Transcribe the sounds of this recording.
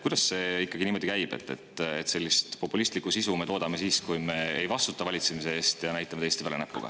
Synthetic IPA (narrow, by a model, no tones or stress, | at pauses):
kujd̪̥ɑsse̞ikːˑɑɡiniːmo̞d̪ikæjb̥ḛt̪ːˑe̞̰t̪ːet̪se̞lʲːist̪po̞pːˑulist̪likːˑusisume̞t̪oːd̪̥ɑme̞siːskujme̞ejvɑst̪ut̪ːˑɑvɑlʲit̪semis̬e̞eːst̪jɑnæjt̪ːˑɑmeeːsʲt̪ivælenæpːṵɡ̥ɑ̰